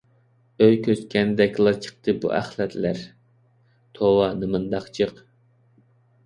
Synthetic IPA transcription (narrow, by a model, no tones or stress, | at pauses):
øjkʲʰøskʲʰɛnd̪ɛkʲʰlˠɑɾt͡ʃʰə̥χt̪ʰɨbṵʔæ̰χlˠɛt̪ʰlæɾ | t̪ʰowɑnɨmɨnd̪ɑχt͡ʃʰəq